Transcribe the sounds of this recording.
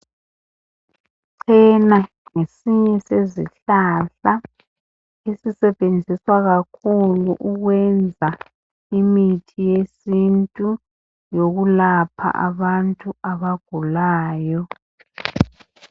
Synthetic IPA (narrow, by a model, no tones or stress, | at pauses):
ǀʰɛna | ŋesiɲɛsezḭɬaɬa | esisɛβend͡zʱiswaɣakʰuluʔuɣwɛnd͡zʱa | imitʰijesintʼu | joɣulapʰa̰ʔa̰βantʼuaβaɡ̥ʱulaːjɔ